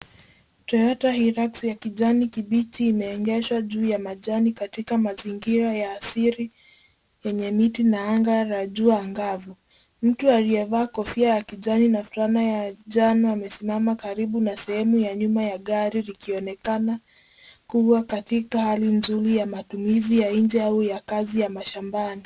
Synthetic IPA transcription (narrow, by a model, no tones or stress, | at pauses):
t͡ʃɔjɔtahiɾaksjakiʄanikiɓitiːmɛɔŋɡɛʃwaʄuːjamaʄanikatikamaziŋɡiɾajaːsiɾi | jɛɲɛmitinaaŋɡaɾaʄuaːŋɡavu | m̩tualijɛvaːkɔfiajakiʄaninafuɾanajaʄanuamɛsimamakaɾiɓunasɛhɛmujaɲumajaɠaɾilikiɔnɛkana | kuwakatikahalinzuɾijamatumizijaiɲd͡ʒɛaujakazijamaʃambani